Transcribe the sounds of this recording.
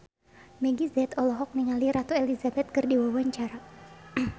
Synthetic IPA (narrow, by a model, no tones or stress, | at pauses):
mɛɡizɛt̪ɔlɔɦɔk̚niŋaliɾat̪uelizabɛt̪̚kɨrdiwawaɲt͡ʃaɾa